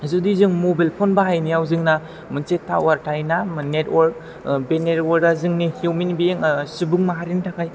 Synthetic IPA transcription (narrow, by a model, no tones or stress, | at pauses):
zudizɯŋmobalpʰonbaɦajnijawzɯŋna | mɯnsetʰːa̰waɾtʰajnamnetwɔɾk̚ | benetwɔɾazɯŋnihuwminbieŋsubɯŋmaɦaɾintʰakʰaj